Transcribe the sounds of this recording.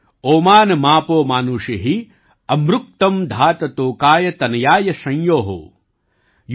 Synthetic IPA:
oːmaːnɐmaːpoːmaːnuːʂiɦi | ɐmɾuk̚t̪ɐmd̪ʱaːt̪ɐt̪oːkaːjɐt̪ɐnɐjaːjɐʃɐ̃jjoːɦo̰ː | j

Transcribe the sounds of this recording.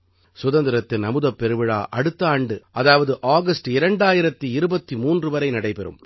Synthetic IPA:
sʊðɐnd̪ɪɾɐt̪ːɪlnɐmɯðɐpːɛɾɯʋɪɻa̰ːʔɐɽɯt̪ːaːɳɖɯʔɐðaːʋɐðɯʔaːɡɐsʈɪɾɐɳɖaːjɪɾɐt̪ːiɪɾɯbɐt̪ːimuːndrɯʋɐɾɐɪnɐɽɐɪpɛɾɯ̰m

